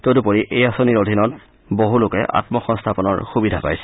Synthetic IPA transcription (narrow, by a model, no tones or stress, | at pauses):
todupoɹiʔejasoniɹodʱinɔt | boɦulʊkɛ̰ʔa̰tmɔxɔnstʰapɔnɔ̰ɹxubidʱapa̰jsɛ̥